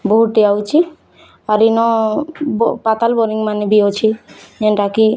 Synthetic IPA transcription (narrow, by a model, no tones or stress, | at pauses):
boɦuʈiawt͡ʃʰi | aɾinɔ | pat̪albɔɾiŋmanibiot͡ʃʰienʈaki